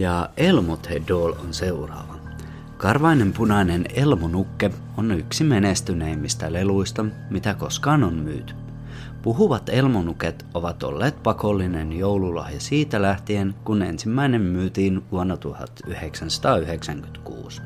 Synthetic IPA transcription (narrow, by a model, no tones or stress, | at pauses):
jɑʔelmot̪hedoːlo̰nse̞urɑ̰ːʋɑ | kɑrʋɑinempunɑinenelmonukːe | onyksimenest̪yneimːist̪æleluist̪ɑ | mit̪æko̞skɑːnonmy̰ːt̪y̥ | puɦuʋɑt̪e̞lmonuket̪o̞ʋɑt̪o̰lːeːt̪̚pɑkolːinenjowlulɑ̰hjɑsiːt̪ælæht̪ienkunḛnsimːæinemmyːt̪iːnʋuonːɑt̪uhɑ̰t̪yheksænsɑ̥t̪ɑːyheksæŋkyt̪kṵːs